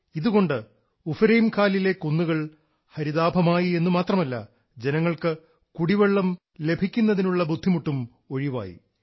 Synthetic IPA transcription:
iðuɣo̞ɳɖɨ | ufɾejmkʰaːlile̞kunːuɣɐɭ | hɐɾiðaːbʱɐmaːjie̞nːumaːt̪rɐmɐlːɐ̰ | d͡ʑe̞nɐŋːɐɭkɨ | kuɽiʋeɭːɐm | le̞bʱikʲːunːɐðinuɭːɐbud̪ʱːimuʈːum | o̞ɻiʋa̰ːjḭ

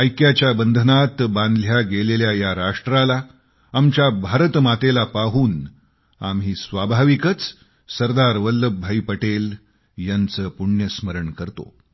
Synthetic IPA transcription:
əjkjat͡ɕjabənd̪ʱənat̪bãnd̪ljaɡeleljajaɾaʂʈɾalaː | mt͡ɕjabʱaɾət̪mat̪elapaɦuːn | a̰mɦiːsʋabʱaʋikət͡s | səɾd̪aɾʋəlːəbʱaipəʈel | jant͡səːpuɳjəsməɾəɳkəɾt̪o̰

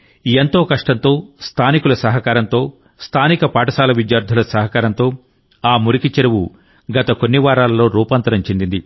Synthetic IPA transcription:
ent̪o̞ːkɐʂʈɐnt̪o̞ːst̪ʰaːnikulɐsɐɦɐkaːɾɐnt̪o̞ː | st̪ʰaːnikɐpaːʈɐsaːlɐʋid̪jaːɾd̪ʱulɐsɐɦɐkaːɾɐnt̪o̞ː | aːmuɾikit͡ʃɐɾɐwu | ɡɐt̪ɐkonːiʋaːɾaːlɐlo̞ːɾuːpaːnt̪ɐɾɐmt͡ʃend̪ind̪i

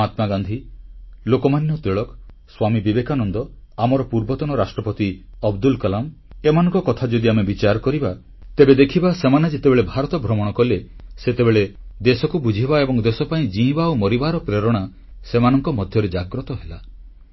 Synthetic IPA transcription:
at̪maɡand̪ʱilokɔmanjɔt̪ɾiɭɔk | swamibibekanɔnd̪ɔ | amɔɾɔpuɾbɔt̪ɔnɔɾasʈɾɔpɔt̪iɔbd̪ulkalam | emanɔ̃ŋkɔkɔt̪ʰad͡ʒɔd̪iamebit͡ʃaɾɔkɔɾiba | t̪ebed̪ekʰibasemanad͡ʒet̪ebeɭebʱaɾɔt̪ɔbʱɾɔmɔɽ̃ɔkɔleset̪ebeɭed̪esɔkubud͡ʒʱibaebɔŋd̪esɔpaĩd͡ʒĩbaomɔɾibaɾɔpɾeɾɔɽ̃a | semanɔŋkɔmɔd̪ʱjɔɾed͡ʒaɡɾɔt̪ɔɦela

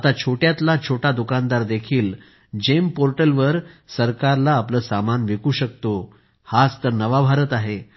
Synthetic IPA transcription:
at̪at͡ɕʰoʈjat̪lat͡ɕʰoʈad̪ukand̪aɾd̪ekʰiːl | d͡ʑempoɾʈəlʋəɾsəɾkaɾlaːpləːsamanʋekuːɕək̚t̪o | hat͡st̪əɾnəʋabʱaɾət̪aɦe

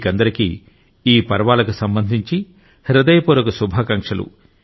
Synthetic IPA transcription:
kɐnd̪ɐɾikḭː | iːpɐɾʋaːlɐkusɐmbɐnd̪ʱiɲt͡ʃi | ɾɐd̪ɐjɐpuɾɐkɐsubʱɐkɐŋkʂɐlṵ

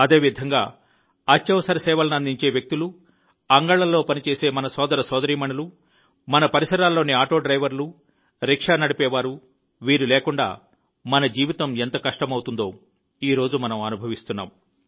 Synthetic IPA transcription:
ɐd̪e̞ːʋid̪ʱɐŋɡaː | ɐtjɐʋɐsɐɾɐsɛːʋɐlɐnɐnd̪iɲt͡ʃe̞ːʋjek̚t̪ulu | ɐŋɡɐɭɐlːo̞ːpɐnit͡ʃe̞ːse̞ːmɐnɐsɔːd̪ɐɾɐsɔːd̪ɐɾiːmɐɳulu | mɐnɐpɐɾisɐɾaːlːo̞ːniaːʈo̞ːɖɾɐjʋɐɾlu | ɾikʂaːnɐɽipɛːʋaːɾu | ʋiːɾuleːkuɳɖa̰ː | mɐnɐd͡ʒiːʋit̪ɐment̪ɐkɐʂʈɐmɐwut̪und̪o̞ː | iːɾo̞ːd͡ʒumɐnɐmɐnubʱɐʋist̪unːa̰ːm

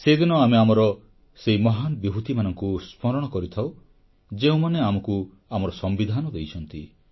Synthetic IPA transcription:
sed̪inɔameamɔɾɔ | seɦimɔɦanbibʱut̪imanɔŋkuspʰɔɾɔɽ̃ɔkɔɾit̪ʰaw | d͡ʒeũmaneamɔku | amɔɾɔsɔmbid̪ʱanɔd̪ejt͡ʃʰɔnt̪i

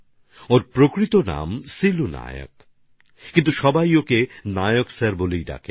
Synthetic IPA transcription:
oɾpɾokɾit̪ona̰msiluna̰jo̰k | kint̪uʃɔbajokenajoksaɾbolejɖa̰kʰe

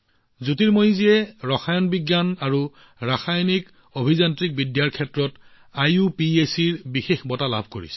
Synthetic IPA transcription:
zutiɹmojizijɛɹɔxʰajɔnbiɡjanaɹu | ɹaxajnik | obʱizantɹik̚bidjaɹkʰːɛtɹɔt | ajupiesiɹbixexbɔtala̰bʱko̰ɹḭsɛ̥

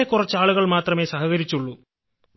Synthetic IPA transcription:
ekːurɐt͡ɕːaːɭuɣɐɭmaːt̪rɐme̞ːsɐɦɐɣɐɾit͡ɕːuɭːu

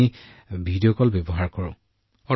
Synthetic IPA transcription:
i | bʱidijɔkɔlbebɔɦaɹkɔɹʊ̰̃ | ɔ

